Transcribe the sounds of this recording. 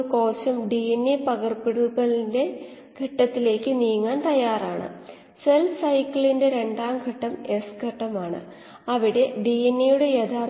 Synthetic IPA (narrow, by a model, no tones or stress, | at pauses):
ko̞ːɕɐmɖienːipɐɣɐrpiɽuɣɐɭinde̞ | ɡʱɐʈːɐt̪ːile̞ːkːɨniːŋːaːnt̪ɐjːaːraːɳɨ̰ | selbsɐjkːɐɭinde̞ɾe̞ɳɖaːmɡʱɐʈːɐme̞sɡʱɐʈːɐmaːɳɨ̰ | ɐʋiɽe̞ɖienːijuɽe̞jed̪ʰʱaːr